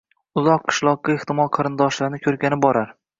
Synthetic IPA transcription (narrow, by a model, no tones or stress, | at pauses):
ʊzɒqʰːɨ̥ʃlˠɒq̚ːaeht̪ɪmɒlˠqʰɑɾɪnd̪ɒʃlaɾnɪkʲʰɵɾɡʲanɪbɒɾaɾ